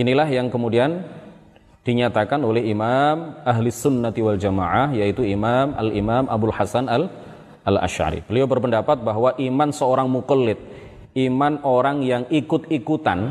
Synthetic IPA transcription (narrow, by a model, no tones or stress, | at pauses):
ʔinilahjaŋkəmudian | d̥iɲat̪akanolɛhimamaɦlisʊnːat̪iwald͡ʒamaʕahjait̪uimamalimamʔabʊlhasanal | ʔala̰ʃʕa̰ɾḭbəliawbərpəndapat̪̚baɦwaʔimansəoɾaŋmukəlːɪt̪̚ | imanoɾaŋjaŋikʊt̪̚ikut̪a̰n